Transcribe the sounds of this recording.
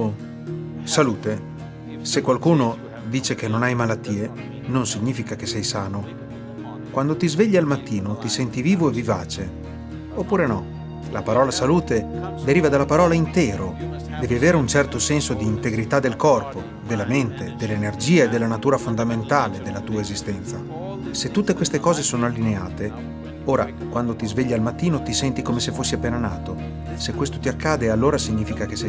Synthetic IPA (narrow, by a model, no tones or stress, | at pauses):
saluːt̪e | sekwalkuːno | d̪iːt͡ʃekenːonajmalat̪ːiːe | nonsiɲːiːfikak̟esːɛjsaːno | kwand̪ot̪izveʎːialmat̪ːiːnot̪isɛnt̪iviːvoevːiva̰ːt͡ʃe | opːuːɾenɔ | lapaɾɔːlasaluːt̪ed̪eɾiːvad̪alːapaɾɔːlaint̪ɛːɾo | d̪ɛːviaveːɾeunt͡ʃɛrt̪osɛnsod̪iːnt̪eɡɾit̪ad̪ːelkɔrpo | d̪elːament̪ed̪elːenerd͡ʒiːaed̪ːelːanat̪uːɾafond̪ament̪aːled̪elːat̪uːaezist̪ɛnt̪sa | set̪ːut̪ːekwest̪ekɔːzesoːnoalːinea̰ːt̪e | oːɾa̰ | kwand̪ot̪izveʎːialmat̪ːiːnot̪isɛnt̪ikomesefosːiapːeːnanaːt̪o | sekːwest̪ot̪iakːaːd̪ealːoːɾasiɲːiːfikak̟es